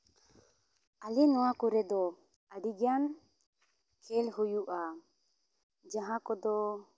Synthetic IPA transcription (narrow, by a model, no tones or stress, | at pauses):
alinɔwakuɾɛd̪ɔ | aɖiɡjan | kʰɛlɦujuʔa | d͡ʒaɦãkɔd̪ɔ